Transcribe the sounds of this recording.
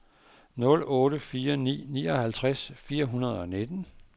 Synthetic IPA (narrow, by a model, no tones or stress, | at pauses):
nɔ̽lɔ̽ːɾəfiːɐnḭːnḭːɒ̽hælt͡sʰʁasfiːɐɦunɐð̞ˠɒ̽ne̝d̥n̩